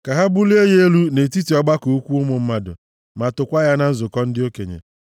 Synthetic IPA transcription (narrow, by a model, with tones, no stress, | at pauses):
ka˨ɦa˦bu˦le˦je˦e˦lu˦ne˨ti˦ti˨ɔ˦ɡ͡ba˦ko˨˦kʷu˦ʊ˦mʊ˨m̩˦ma˦dʊ̰˨ | ma˨tʊ˨kʷa˦ja˦na˦n̩˦zʊ˨kɔ˦n̩˦dɪ˦o˦kḛ˨ɲḛ˨